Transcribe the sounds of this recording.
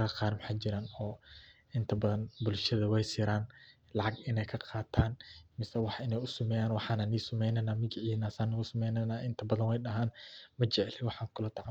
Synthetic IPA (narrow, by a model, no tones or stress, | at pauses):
ɐqɑːɾmħaːd͡ʒɪɾaːnɔːʔɪnt̪ʰɐbɐðɐnbʊlʃɐðɐwɛjsɪːɾaːn | lɑʕɑɡɪnɛjkʰɐqʰɑːt̪ʰaːnmɪsɛwɑħʔɪnɛjʊsʊmɛːjaːnwɑħɑːnaniːsʊmɛjnɛjnaːmɪd͡ʒɪʕiːnaːsaːnɪɣʊsɐmɛjnɛjnaːʔɪnt̪ʰɐbɐðɐnwɛjɗɐɦaːnmɐt͡ʃɛʕɛlwɑħɑːŋkʰʊlɐt̪ʰɑʕ